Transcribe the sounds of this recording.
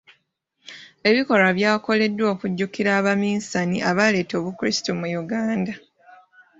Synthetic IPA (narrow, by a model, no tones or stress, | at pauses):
e̞βiko̞ɾaβjaːko̞le̞dːwo̞ːkuɟːukiɾaːβamiːnsaniʔaβale̞ːto̞ːβukɾistumujuɡaːnda